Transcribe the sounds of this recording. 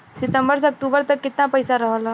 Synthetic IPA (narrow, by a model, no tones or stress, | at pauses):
sɪt̪ə̃mbəɾseɐk̚ʈuːbəɾt̪ɐkːɪt̪napɐɪsaɾɐɦəla